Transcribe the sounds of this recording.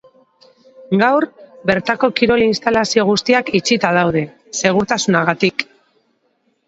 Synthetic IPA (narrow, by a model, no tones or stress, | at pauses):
ɡawrbe̞ɾt̪ako̞kiɾo̞linst̪alasio̞ɣ̞ust̪iakit͡ʃit̪að̞awð̞e̞ | se̞ɣ̞uɾt̪asunaɣat̪ik